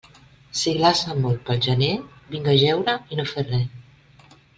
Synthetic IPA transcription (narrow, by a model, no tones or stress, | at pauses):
siɣlasəmolˠt̪̚pəlˠʒənebiŋɡəʒɛwɾəinoferɛ